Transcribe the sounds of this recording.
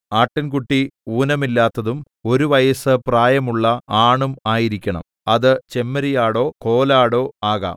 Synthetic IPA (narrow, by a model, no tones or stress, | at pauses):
aːʈːinkuʈːiuːnɐmilːaːt̪ːɐðum | o̞ɾuʋɐjɐsɨpraːjɐmuɭːɐaːɳumaːjiɾikʲːɐɳɐ̰m | ɐðɨt͡ɕe̞mːɐɾijaːɽo̞ːko̞ːlaːɽo̞ːaːɣa̰ːm